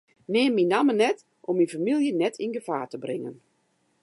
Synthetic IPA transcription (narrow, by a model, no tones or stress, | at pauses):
nɪːmːinamənɛt | ʔɔminfamilˠjənɛtʰinɡəfaːtəbrɪŋə̰n